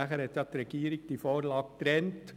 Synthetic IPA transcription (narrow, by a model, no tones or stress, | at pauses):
æχəɾhɛt̪jɑt̪ɾɛɡ̥iːɾɪk̚d̥̪iːfoːɾlɑːɡt̪ɾɛnt̪